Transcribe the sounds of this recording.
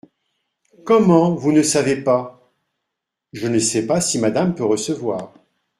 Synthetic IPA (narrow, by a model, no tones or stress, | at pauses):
kɔmɑ̃vunəsavepa | ʒənəsɛpasimad̪ampøʁəsəvwaːʁ